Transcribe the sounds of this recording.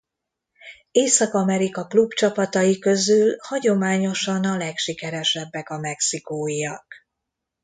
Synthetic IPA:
eːsɒkɒmɛɾikɒklubt͡ʃɒpɒt̪ɒjikø̞zylhɒɟo̞maːɲo̞ʃɒnɒlɛkʃikɛɾɛʃɛbːɛkɒmɛksikoːijɒk

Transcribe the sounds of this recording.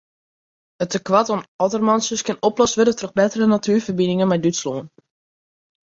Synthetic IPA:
ətəkʋatɔnɔtərmɑnsəskɪnɔplɔsʋədətrəbɛtərənatʰyːɹfərbinɪŋənmɛjdytsloːn

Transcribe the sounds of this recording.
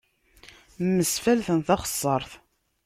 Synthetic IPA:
mːəsfælθənθɑχə̥sˤːɑɾˤθ

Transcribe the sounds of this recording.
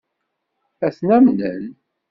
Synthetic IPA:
æθnæmnə̰l

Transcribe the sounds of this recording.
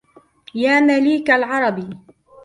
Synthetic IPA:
jaːmaliːkalʕɑɾˤɑbi

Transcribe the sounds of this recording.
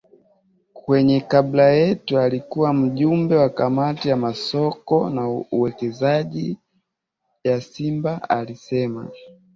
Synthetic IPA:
kwɛɲɛkaɓlajɛtualikuwam̩ʄumbɛwakamatijamasɔkɔnauwɛkɛzaʄi | jasimbaalisɛma̰

